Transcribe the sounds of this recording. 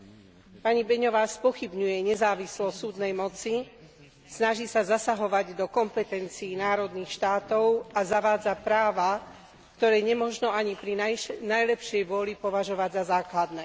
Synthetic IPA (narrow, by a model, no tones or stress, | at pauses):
paɲibɛɲɔʋaːspɔxibɲujɛɲɛzaːʋislɔsuːd̪nɛjmɔt͡si | snaʒiːsazasaɦɔʋaɟd̪ɔkɔmpɛt̪ɛnt͡siːnaːɾɔd̪niːxʃt̪aːt̪ɔʊazaʋaːd͡zapɾaːʋa | kt̪ɔɾɛːɲɛmɔʒnɔaɲipɾinajlɛpʃjɛjʋʊɔlipɔʋaʒɔʋaɟzazaːklad̪nɛː